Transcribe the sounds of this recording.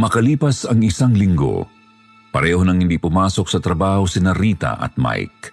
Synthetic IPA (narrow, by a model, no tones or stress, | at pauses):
mɐkɐliːpɐsɐŋɪsaŋlɪŋɡo̰ | pɐ̰ɾɛːhonɐŋhɪnd̪ipʊmaːso̞k̚sɐt̪ɾɐbaːhosɪnɐɾiːt̪ɐ̰ʔɐ̰t̪̚ma̰jk̚